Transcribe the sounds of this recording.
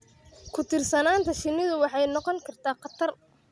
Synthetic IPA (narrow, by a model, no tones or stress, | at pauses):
kʰʊt̪ʰɪrsɐnaːnt̪ʰɐʃɪnːɪðʊwɑħɑjnɔqɔŋkʰɐrt̪ʰaːqɑt̪ʰɐr